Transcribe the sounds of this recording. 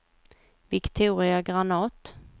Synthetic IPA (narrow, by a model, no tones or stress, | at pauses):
vɪkt̪ʰuːɾɪaɡɾanɑːt̪